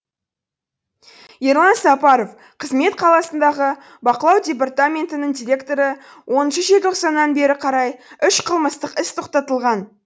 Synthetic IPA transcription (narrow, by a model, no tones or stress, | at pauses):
jeɾlˠɑnsɑpɑɾo̞f | qʰəzme̞t̪qʰɑlˠɑsənd̪ɑʁə | bɑqəlˠɑwdʲe̞p̬art̪amʲe̞nt̪ɪnəɴd̪ʲijɾʲe̞kt̪o̞ɾə | wʔo̞nəʃəʒet̪ʰoqsɑnːɑnbe̞ɾɪqʰɑɾɑjʏʃqʰəlˠməst̪əqɪst̪ʰo̞qt̪ɑt̪əlˠʁɑn